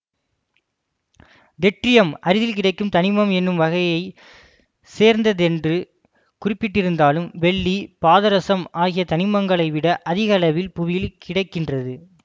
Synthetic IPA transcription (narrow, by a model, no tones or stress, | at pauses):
d̪ɛʈrɪjɐmʔɐɾɯðɪlk̬ɪɽɐɪkːɯmt̪ɐnɪmɐmɛnːɯmʋɐɣɐjɐɪ | seːɾnd̪ɐðɛndrɯ | kʊrɪpːɪʈːɪɾɯnd̪aːlɯmʋɛɭːipaːðɐɾɐsɐmaːɣɪjɐt̪ɐnɪmɐŋɡɐɭɐɪʋɪɽɐʔɐðɪɣɐlɐʋɪlpʊʋɪjɪlkʰɪɽɐɪkːɪndrɐðɯ